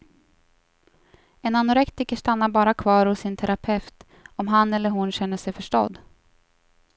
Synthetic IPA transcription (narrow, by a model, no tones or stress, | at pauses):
ɛnanʊɾɛkt̪ɪkəʂt̪anːabɑːɾakʰvɑːɾhʊsɪnt̪ʰɛɾapʰɛft̪ | ɔmɦanːɛlːəɾɦʊnɕɛnːəʂɛjfœʂʈɔ̰d̪